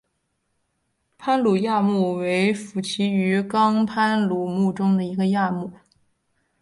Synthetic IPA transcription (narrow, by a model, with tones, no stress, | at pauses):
pʰa˥nlu˨˩ja˥˧mu˥˩we˧˥ɪfu˨˩t͡ɕʰi˧˥y˧˥kɑ˥ŋpʰa˥nlu˨˩mu˥˩ʈ͡ʂʊ˥ŋd̪ə˨i˧˥ɡə˧ja˥˧mu˥˩˦